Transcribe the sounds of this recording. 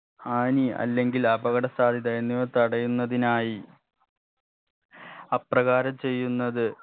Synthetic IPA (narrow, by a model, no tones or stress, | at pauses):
aːniɐ̰lːe̞ŋɡilɐbɐɣɐɽɐsaːd̪ʱiðɐjnːiʋot̪ɐɽɐjunːɐðinaːji | ɐprɐɣaːɾɐmt͡ɕe̞jːunːɐðɨ